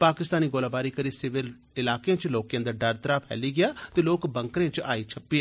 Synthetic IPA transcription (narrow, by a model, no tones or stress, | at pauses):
paːkɪst̪aːniːɡoːlaːbaːɾiːkəɾiːsɪʋɪl | ɪlaːkeãːt͡ʃloːkjãːd̪aːɖəɾt̪əɾaːpʰɛ̰ːliːɡɪaːt̪eːloːkbə̃ŋkɾẽːt͡ʃaːiːt͡ʃʰəpːɪaː